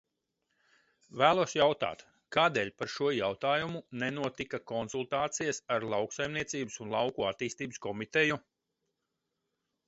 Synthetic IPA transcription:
væːlˠuɔsjawt̪a̰ːt̪ | kaːd̪eːlʲpaɾʃuɔjawt̪aːjumunɛnuɔt̪ikakɔnsulˠt̪aːt̪sijasaɾlˠɑwksajmniɛt̪siːbəsunlˠɑwkuat̪iːst̪iːbɨskɔmit̪ɛju

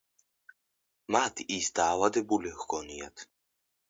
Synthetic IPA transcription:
mat̪ʰisd̪aːvad̪ɛbulɛxɡɔniat̪ʰ

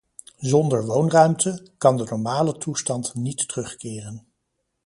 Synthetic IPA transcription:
zɔndəɹʋownrœɥmtəkɑndənɔɹmaːlətʰustɑntnitərɵχkɪːrən

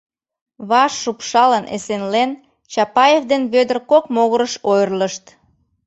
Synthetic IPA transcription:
βɑʃːupʃɑlənʔḛsenlen | t͡ɕɑpɑjevd̪enβød̪ərkokmoɣəɾəʃojrləʃt̪

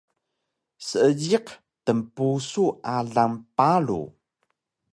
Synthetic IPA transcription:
səəɟiq | təmpusuʔaɮampalṵ

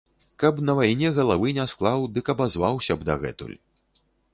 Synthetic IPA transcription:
kɐpnɐvajnʲɛɣɐlˠavɨnʲɛsklˠawd̪ɨkɐbazvawsʲɐbd̪ɐɣɛ̰t̪ṵlʲ

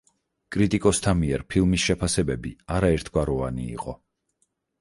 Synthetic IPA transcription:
kʼɾit̪ʼikʼɔst̪ʰamiɛɾpʰilˠmisʃɛpʰasɛbɛbiaɾaɛɾt̪ʰɡwaɾɔvanḭːqʼɔ

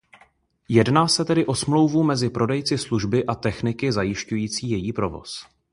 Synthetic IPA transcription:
jɛdnaːsɛt̪ɛdɪʔo̞smlo̞wvumɛzɪpɾo̞dɛjt͡sɪsluʒbɪʔat̪ɛxnɪkɪzajɪʃcujiːt͡siːjɛjiːpɾo̞vo̞̰s

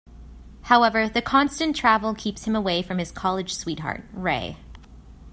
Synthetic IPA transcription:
haʊɛvə˞ðɨkʰɑ̃nstɨ̃ntʰɹ̥ævl̩ˠkʰipshɨ̃məweɪfɹʌ̃mɨz̥kʰɑlˠɨd̥ʒ̥swit̚ɦɑ̰ɹt̚ɹeɪ

